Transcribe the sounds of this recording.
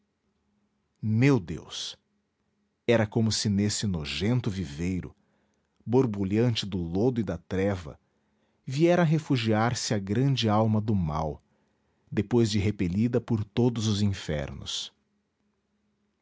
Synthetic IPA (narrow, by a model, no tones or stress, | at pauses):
mewd̪ḛws | ɛɾɐkõmʊsɪnesɪnoʒẽnt̪ʊvivejɾʊ̰ | boɾbuʎɐ̃nt͡ʃɪd̪ʊlod̪ʊɪd̪ɐt̪ɾɛvɐ̰ | viɛɾɐɦefuʒiaɾsɪɐɡɾɐ̃d͡ʒɪawmɐd̪ʊma̰w | d̪epojzd͡ʒɪɦepeʎid̪ɐpʊɾt̪od̪ʊzʊzĩfɛ̰ɾnʊ̰s